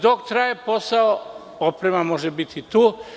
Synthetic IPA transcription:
d̪okt̪ɾaːje̞po̞sao | opɾe̞mamo̞ʒebit̪it̪uː

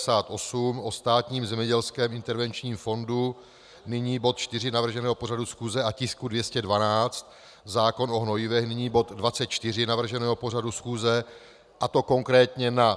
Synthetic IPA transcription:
saːt̪ʔo̞sumʔo̞st̪aːt̪ɲiːmzɛmɲɛɟɛlskɛːmʔɪnt̪ɛɾvɛnt͡ʃɲiːmfo̞ndu | nɪɲiːbo̞t̪̚t͡ʃt̪ɪr̝ɪnavr̩ʒɛnɛːɦo̞po̞r̝adusxuːzɛʔacɪskudvjɛscɛdvanaːt͡st̪ | zaːko̞nʔo̞ɦno̞jɪvɛxnɪɲiːbo̞t̪dvat͡sɛt̪̚t͡ʃt̪ɪr̝ɪnavr̩ʒɛnɛːɦo̞po̞r̝adusxuːzɛ | ʔat̪o̞ko̞ŋkɾɛːt̪ɲɛna

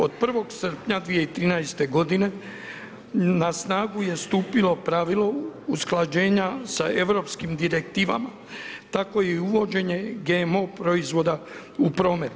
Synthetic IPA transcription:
o̞d̪̚pr̩ʋo̞ɡsr̩pɲad̪ʋije̞it̪ɾiːnajst̪e̞ɡo̞d̪ine̞ | nasnaːɡuje̞st̪uːpilo̞pɾaʋilo̞usklˠad͡ʑe̞ːɲasae̞ʋɾo̞pskimd̪iɾe̞k̚t̪iːʋa̰ma | t̪ako̞jeuʋo̞d͡ʑe̞ɲe̞ɡe̞mo̞pɾo̞izʋo̞d̪a | upɾo̞ːme̞t̪

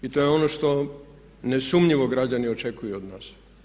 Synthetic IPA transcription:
it̪o̞jeo̞noʃt̪o̞ | ne̞sumɲiʋo̞ɡɾad͡ʑaniot͡ʃekujuod̪naːs

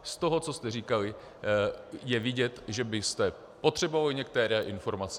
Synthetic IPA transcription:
st̪o̞ɦo̞t͡sost̪ɛriːkalɪ | jɛvɪɟɛt̪ʒɛbɪst̪ɛ | po̞t̪r̥ɛbovalɪɲɛk̚t̪ɛɾɛːʔɪnfo̞ɾmat͡sɛ

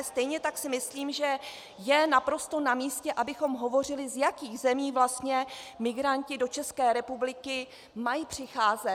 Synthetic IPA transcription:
st̪ɛjɲɛt̪aksɪmɪsliːmʒɛ | jɛnapɾo̞st̪onamiːscɛʔabɪxo̞mɦo̞vo̞r̝ɪlɪzjakiːɣzɛmiːvlast̪ɲɛmɪɡɾancɪdo̞t͡ʃɛskɛːɾɛpublɪkɪ | majipr̝̥ɪxaːzɛ

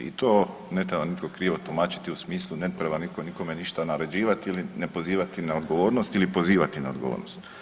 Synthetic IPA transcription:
ḭt̪oː | ne̞t̪ɾebanit̪ko̞kɾiːʋot̪umaːt͡ɕi̥t̪iusmiːslˠune̞t̪ɾebanikoniko̞me̞niʃt̪anaɾe̞d͡ʑiːʋat̪iilinepo̞ziːʋat̪inao̞d̪ɡo̞ʋo̞ːɾnost̪ilipo̞ziːʋat̪inaod̪ɡoʋo̰ːɾno̰st̪

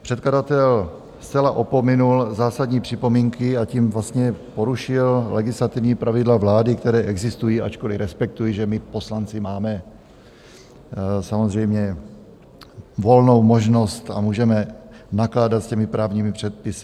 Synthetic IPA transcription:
pr̝̥ɛt̪kladat̪ɛl | st͡sɛlaʔo̞po̞mɪnulzaːsadɲiːpr̝̥ɪpo̞miːŋkɪaciːmvlast̪ɲɛpo̞ɾuʃɪllɛɡɪslat̪ɪvɲiːpɾavɪdlavlaːdɪkt̪ɛɾɛːʔɛɡzɪst̪ujiːʔat͡ʃko̞lɪɾɛspɛk̚t̪ujiʒɛmɪpo̞slant͡sɪmaːmɛ | samo̞zr̝ɛjmɲɛ | vo̞lno̞wmo̞ʒno̞st̪a̰muːʒɛmɛ | naklaːdat̪scɛmɪpɾaːvɲiːmɪpr̥ɛt̪̚pɪsɪ̥

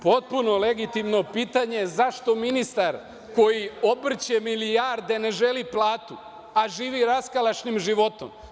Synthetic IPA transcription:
po̞t̪̚puno̞le̞ɡit̪imno̞piːt̪aɲezaʃt̪o̞minist̪aɾ | ko̞jio̞br̩t͡ɕemilijaɾd̪e̞ne̞ʒe̞liplˠaːt̪u | aʒiːʋiɾaskalˠat͡ʃnimʒiʋo̞t̪o̞̰m

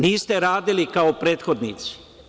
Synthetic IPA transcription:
niːst̪e̞ɾaːd̪ilikaopɾe̞ːt̪xod̪nit̪si̥

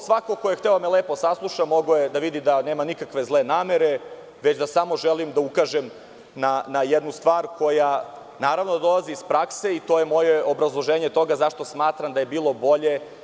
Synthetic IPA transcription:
sʋako̞kojext̪eomeleːposaslˠuʃamo̞ɡojed̪aʋid̪id̪aneːmanikakʋe̞zlˠe̞naːme̞ɾe̞ | ʋet͡ɕd̪asamo̞ʒelimd̪aukaːʒem | nanajed̪nust̪ʋaːɾko̞ja | naːɾavnod̪ad̪o̞lˠaziːspɾakse̞it̪ojemo̞jeobɾazlˠo̞ʒeːɲe̞t̪o̞ɡazaʃt̪o̞smaːt̪ɾamd̪aje̞biːlˠo̞bo̞ʎe̞

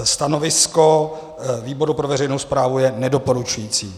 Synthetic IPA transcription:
st̪ano̞vɪsko̞ | viːbo̞ɾupɾovɛr̝ɛjnowspɾaːvujɛnɛdo̞po̞ɾut͡ʃujiːt͡siː

